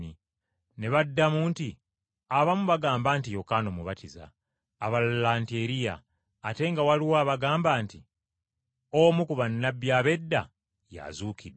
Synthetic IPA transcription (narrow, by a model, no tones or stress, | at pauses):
ni | ne̞βadːamuːnti | aβamuβaɡaːmbantijo̞kanomuβatiza̰ː | βallante̞ɾija̰ː | te̞ŋɡawaliwaːβaɡaːmbaːnti | omukuβanːabjaːβe̞dːa̰ | ja̰zuːkʰid